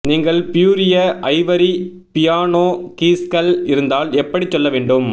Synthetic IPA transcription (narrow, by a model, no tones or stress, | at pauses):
niːŋɡɐɭpɪjuːɾɪjɐʔɐɪʋɐɾi | pɪjaːnoːkiːskɐlɪɾɯnd̪aːlɛpːɐɽit͡ʃːɔlːɐʋeːɳɖɯm